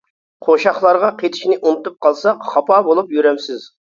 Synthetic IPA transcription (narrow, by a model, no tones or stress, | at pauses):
qʰoʃɑχlˠɑɾʁɑqʰet̪ʰɪ̥ʃnɪʔunɨt̪up̚qʰɑlˠsɑχɑpɑbolˠupjyɾɛmsɪz̥